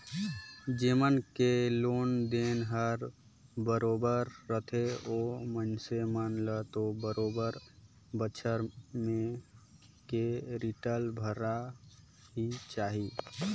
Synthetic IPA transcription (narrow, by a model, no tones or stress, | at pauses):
d͡ʒeːmənkeloːnd̪enɦəɾ | bəɾoːbəɾːət̪ʰeoːmənsemənlət̪obəɾoːbəɾ | bət͡ʃʰəɾmẽ | keɾiʈəlbʱəɾa | ɦit͡ʃaːɦiː